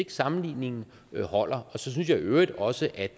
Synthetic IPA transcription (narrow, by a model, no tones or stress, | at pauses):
e̝ɡ̥əsɑ̈mn̩lḭːne̝ŋn̩ | hɒ̽l̰ɐɒ̽sɒ̽s̬yns̬jɑøːʁid̥ɒ̽səʔæd̥